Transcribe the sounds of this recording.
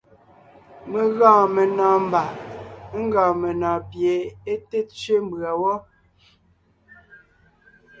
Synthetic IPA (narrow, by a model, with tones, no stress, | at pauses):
me˨ɣɔ̃ː˨me˨nɔː˨m˦ba˨˦ŋ̩˦ɡɔ̃ː˨me˨nɔ̃ː˨pje˨˦e˦te˦t͡ʃɥe˦m˦bɰa˨wɔ˦